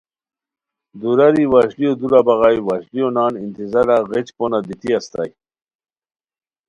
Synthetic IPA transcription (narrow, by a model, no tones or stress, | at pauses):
d̪uɾaɾiwaːɕliod̪uɾabaɣajwaːɕlijonɑːnint̪izaɾaɣet͡ɕponad̪it̪iast̪a̰j